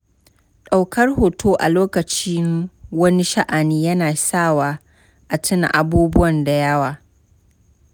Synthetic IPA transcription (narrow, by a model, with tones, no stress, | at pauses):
ɗa˨wkɐ˦rhoː˨tʰoː˦ʔa̰˨loː˦kɐ˨t͡ʃiː˦wɐ˦ni˦ʃa˦ʔa˨niː˦jɐ˦naː˨saː˦˨waː˦ | ʔa˨tʰɪ˦na̰˨ʔa˨buː˦bʊ˦wɐ˨nda˨jɐ˦waː˨